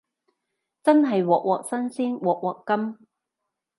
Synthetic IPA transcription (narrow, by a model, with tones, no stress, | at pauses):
t͡sɐ˥nɦɐ˨jwɔː˨k̚wɔː˨k̚sɐ˥nsiː˥nwɔː˨˩k̚wɔː˨˩kːɐ˥m